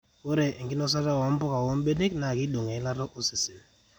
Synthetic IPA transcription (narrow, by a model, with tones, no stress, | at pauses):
wo˦ɾe˨ŋ̩˨kɪ˦nɔ˦s̬a˦ta˦˨wɔ˨˦m̩˦pʊ˦ka˨wɔ˦m˦be˦ne˦kna˨ki˦do˨ŋe˨˦la˦ɾɔ˦ʔo˦sɪ˨sɪ˨l